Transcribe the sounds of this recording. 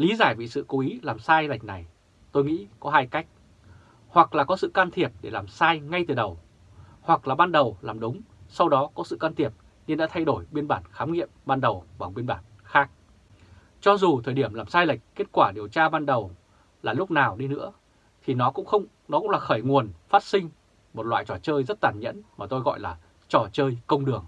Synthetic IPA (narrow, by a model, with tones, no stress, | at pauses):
li˨˦zaː˧˩jvḭ˧˨sɨ̰˧˨ko˨˦ʔi˨˦laː˨˩msaː˧jla˨˩jk̟̚na˨˩j | t̪o˧jŋḭ˧˥kɔ˨˦ɦaː˧jka˦˥jk̟̚ | hwa˨˩k̚laː˨˩kɔ˨˦sɨ̰˧˨kaː˧nt̪ʰi˨˩əp̚ɗe˧˩laː˨˩msaː˧jŋa˧jt̪ɨ˨˩ɗə˨˩w | hwa˨˩k̚laː˨˩ɓaː˧nɗə˨˩wlaː˨˩mɗʊ˨˦ŋ͡msa˧wɗɔ˨˦kɔ˨˦sɨ̰˧˨kaː˧nt̪ʰi˨˩əp̚ | ɲɨ˧nɗa̰ː˧˥t̪ʰa˧jɗo˧˩jɓi˧ənɓaː˧˩nxaː˨˦mŋḭ˧˨əmɓaː˧nɗə˨˩wɓaː˨˩ɓi˧ənɓaː˧˩n | xaː˦˥k̚ | t͡ɕɔ˧zu˨˩t̪ʰəː˨˩jɗi˧˩əmlaː˨˩msaː˧jla˨˩jk̟̚kːe˦˥t̚kwaː˧˩ɗi˨˩əwt͡ɕaː˧ɓaː˧nɗə˨˩w | laː˨˩lʊ˦˥k͡p̚naː˨˩wɗi˧nɨ̰˧˥ə | t̪ʰi˨˩nɔ˨˦kʊ̰˧˥ŋ͡mxə˧wŋ͡m | nɔ˨˦kʊ̰˧˥ŋ͡mlaː˨˩xəː˧˩jŋu˨˩ənfa˦˥t̚sï˧ŋ̟ | mo˨˩t̚lwa̰ː˧˨jt͡ɕɔ˧˩t͡ɕəː˧jzə˦˥t̚t̪aː˧˩nɲə̰˧˥nmaː˨˩t̪o˧jɣɔ̰˧˨jlaː˨˩ | t͡ɕɔ˧˩t͡ɕəː˧jkə˧wŋ͡mɗɨ˨˩əŋ